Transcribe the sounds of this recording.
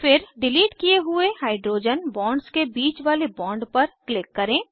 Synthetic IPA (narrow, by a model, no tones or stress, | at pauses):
fɪɾɖɪliːʈkijeɦʊehaːɪɖɾoːd͡ʒənbɔ̃ːɳɖskebiːt͡ʃʋaːlebɔ̃ːɳɖpɐɾklɪkːɐɾẽː